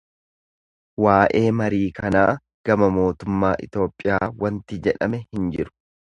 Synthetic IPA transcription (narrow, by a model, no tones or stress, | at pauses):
waːʔe̞ːmɐɾiːkɐnaː | ɡ̥ɐmɐmo̞ːt̪ʊmːaːʔɪ̰t̪o̞ːpʼːɪjaːwɐnt̪ɪd͡ʒɛᶑɐmɛhɪnd͡ʒɪɾʊ̥